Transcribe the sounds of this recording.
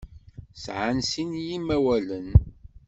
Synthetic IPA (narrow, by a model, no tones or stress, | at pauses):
sʕansinjimːæwælən